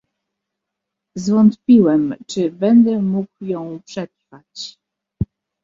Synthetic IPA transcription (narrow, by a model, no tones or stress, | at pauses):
zvɔnt̪pʲiwɛmt͡ʂɘbɛnd̪ɛmukjɔ̃w̃pʂɛt̪ɾfat͡ɕ